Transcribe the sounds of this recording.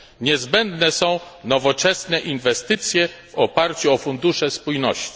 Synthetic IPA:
ɲɛzbɛnd̪nɛsɔ̃w̃nɔvɔt͡ʂɛsnɛʔinvɛst̪ɘt̪sʲjɛvɔpaɾt͡ɕuɔfund̪uʂɛspujnɔɕt͡ɕi̥

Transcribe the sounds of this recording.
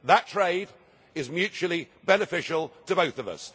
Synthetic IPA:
ðətʰɹ̥eɪd | ɪzmjʉˑt͡ʃul̩ˠibɛnəfɪʃəl̩ˠtʰəbəʊθəvʌ̰s

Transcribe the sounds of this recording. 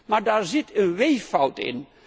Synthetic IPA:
maɹdaːɹzɪtʰənʋejfawtɪ̰n

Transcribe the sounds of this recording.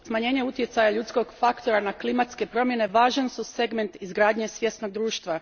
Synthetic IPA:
smaɲe̞ːɲe̞ut̪je̞t̪sajaʎut̪sko̞ɡfakt̪o̞ɾanaklimat̪ske̞pɾo̞mje̞ne̞ʋaːʒansuse̞ɡme̞nt̪izɡɾaːd̪ɲe̞sʋje̞st̪no̞ɡ̚d̪ɾuːʃt̪ʋa

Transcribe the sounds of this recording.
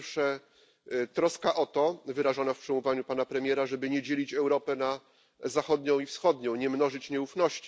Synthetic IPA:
fʂɛ | t̪ɾɔskaʔɔt̪ɔvɘɾaʐɔnafpʂɛmuvaɲupanapɾɛmʲjɛɾaʐɛbɘɲɛd͡ʑelʲit͡ɕɛwɾɔpɛna | zaxɔd̪ɲɔ̃w̃ifsxɔd̪ɲɔ̃w̃ɲɛmnɔʐɘt͡ɕɲɛufnɔɕt͡ɕi̥

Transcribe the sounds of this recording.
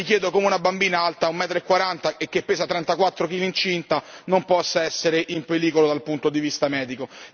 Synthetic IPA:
mikjɛːd̪okomeunabambiːnaalt̪aumːɛːt̪ɾeekːwaɾant̪aekːepːeːsat̪ɾɛnt̪akwat̪ːɾok̟iːlint͡ʃint̪anompɔsːaɛsːeɾeʔimpeliːkolod̪alpunt̪od̪ivist̪amɛːd̪iko

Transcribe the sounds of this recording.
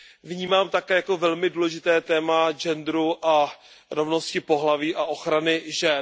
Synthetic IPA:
vɲiːmaːmt̪akɛːjakovɛlmɪduːlɛʒɪt̪ɛːt̪ɛːmaʒɛnd̪ɾuʔa | ɾo̞vno̞scɪpo̞ɦlaviːʔaʔo̞xɾanɪʒɛ

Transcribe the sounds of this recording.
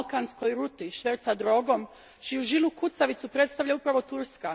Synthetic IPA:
lkansko̞jɾut̪iʃʋeɾt̪sad̪ɾo̞ɡo̞m | t͡ʃijuʒilukut̪saʋit̪supɾet̪st̪aʋʎaupɾaʋo̞t̪uɾska

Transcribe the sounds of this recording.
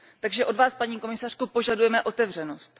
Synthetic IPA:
t̪aɡʒɛʔo̞dvaːspaɲiːko̞mɪsar̥kupo̞ʒadujɛmɛʔo̞t̪ɛvr̝ɛno̞st̪

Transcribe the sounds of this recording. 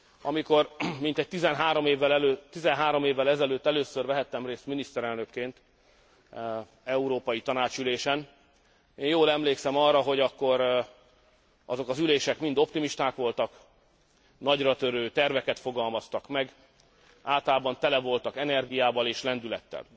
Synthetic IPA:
ɒmikormin̪t̪ɛc̚t̪izɛnɦaːɾo̞meːvːɛlɛløt̪ːizɛnɦaːɾo̞meːvːɛlɛzɛløːt̪ːɛløːsørvɛɦɛt̪ːɛmreːst̪minist̪ɛɾɛlnø̞kːeːnt̪ | ɛuɾoːpɒjit̪ɒnaːt͡ʃyleːʃɛn | eːnjoːlɛmleːksɛmɒrːɒɦo̞ɟɒkːo̞ɾ | ɒzo̞kɒzyleːʃɛkmind̪o̞pt̪imiʃt̪aːkʋo̞lt̪ɒk | nɒɟrɒt̪øɾøːt̪ɛrvɛkɛt̪fo̞ɡɒlmɒst̪ɒkmɛɡ | aːlt̪ɒlaːbɒnt̪ɛlɛvo̞lt̪ɒkɛnɛrɡijaːbɒleːʃlɛnd̪ylɛ̰t̪ːɛ̰l

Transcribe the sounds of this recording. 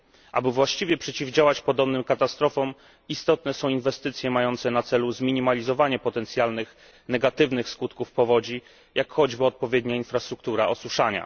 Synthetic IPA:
ʔa̰bɘvwaɕt͡ɕivʲjɛpʂɛt͡ɕivd͡ʑawat͡ɕpɔd̪ɔbnɘmkat̪ast̪ɾɔfɔm | ist̪ɔt̪nɛsɔ̃w̃invɛst̪ɘt̪sʲjɛmajɔnt̪sɛnat̪sɛluzmʲiɲimalʲizɔvaɲɛpɔt̪ɛnt̪sʲjalnɘx | nɛɡat̪ɘvnɘxskut̪kufpɔvɔd͡ʑi | jʔakxɔd͡ʑbɘɔt̪̚pɔvʲjed̪ɲainfɾast̪ɾuk̚t̪uɾaɔswuʂaɲa̰

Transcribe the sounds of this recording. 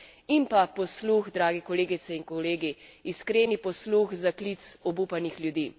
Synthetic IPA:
impapɔsluxd̪ɾaːɡɛkɔleːɡit̪sɛiŋkɔleːɡiːskɾeːnipɔsluxzaklit̪sɔbuːpanixljud̪iː

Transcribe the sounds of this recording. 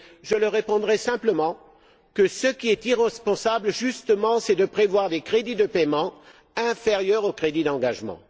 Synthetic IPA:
ʒələʁepɔ̃d̪ʁɛsɛ̃pləmɑ̃ | kəsəkʲiɛt̪iʁɛspɔ̃sabləʒyst̪əmɑ̃sɛd̪əpχevwaʁd̪ekχed̪id̪əpɛmɑ̃ | ɛ̃feʁjœʁokχed̪id̪ɑ̃ɡaʒmɑ̰̃

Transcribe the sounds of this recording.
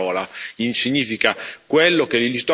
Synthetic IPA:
ɔːlainsiɲːiːfikakwelːokelilist̪ɔ

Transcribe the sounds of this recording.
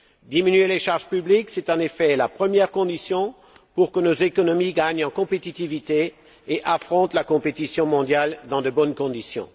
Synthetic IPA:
d̪iminyeleʃaʁʒpybliksɛt̪ɑ̃nefɛlapχəmjɛʁkɔ̃d̪isjɔ̃ | puʁkənozekɔnɔmiɡaɲɑ̃kɔ̃pet̪it̪ivit̪eː | ʔafχɔ̃t̪lakɔ̃pet̪isjɔ̃mɔ̃d̪jald̪ɑ̃d̪əbɔnkɔ̃d̪isjɔ̰̃

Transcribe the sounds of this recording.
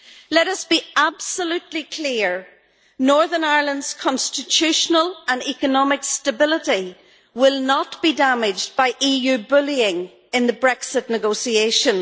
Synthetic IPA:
lɛɾʌsb̥iab̥səlʉtˡlikʰl̥iəɹ | nɔɹðənaɪɹlˠə̃ndz̥kʰɑ̃nstɪtʰʉʃənəlˠə̃nɛkənɔmɪkstəbɪlˠəɾi | wɪlˠnət̚b̥idamɪd͡ʒb̥aɪʔijʉbʊlˠiɪ̃ŋ | ɪ̃nðəbɹɛksɪtⁿnɨɡoʊsieʃə̃n

